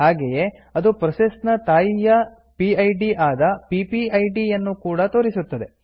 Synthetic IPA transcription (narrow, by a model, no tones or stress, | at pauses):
ɦaːɡeje̞ | ɐd̪upɾɐsesnɐt̪aːjijɐ | piɐjɖiʔaːd̪ɐpipiɐjɖijɐnːukuːɽɐt̪o̞ːɾisut̪ːɐd̪e̞